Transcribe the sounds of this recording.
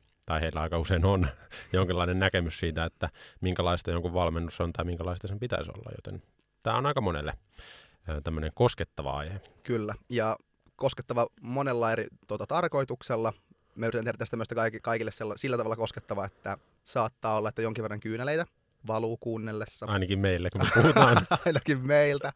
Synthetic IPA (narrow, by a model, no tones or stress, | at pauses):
t̪ɑiheilːæɑikɑuseinonjoŋkilːɑinennækemyssiːt̪æet̪ːæmiŋkælɑist̪ɑjoŋkuʋʋɑlmenːusont̪ɑimiŋkælɑist̪ɑsempit̪æ̰iso̰lːɑ̰jo̰t̪ḛn | t̪æ̰ːonɑikɑmonḛlːe | t̪æmːøneŋkosket̪ːɑʋɑ̰ɑ̰ihekylːæjɑ | kosket̪ːɑʋɑmonelːɑeɾit̪uot̪ɑt̪ɑrko̞it̪ukselːɑ | mæyɾit̪ænehɾæt̪æst̪æmøst̪ækɑikikɑikilːeselːɑsilːæt̪ɑʋɑlːɑko̞sket̪ːɑʋɑet̪ːæ | sɑːt̪ːɑːolːɑet̪ːæjoŋkiʋerːɑŋkyːnæleit̪æ | ʋɑluːkuːnːelːesːɑɑinɑkimmeilːekummepuhut̪ɑːnɑinɑkimmeilt̪æ